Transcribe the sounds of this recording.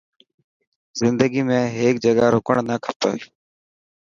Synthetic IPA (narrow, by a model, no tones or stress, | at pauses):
zɪnd̪əɡiːmẽːɦeːk̚d͡ʒəɡaːɾʊkəɳnaːkʰət̪o̰ːeː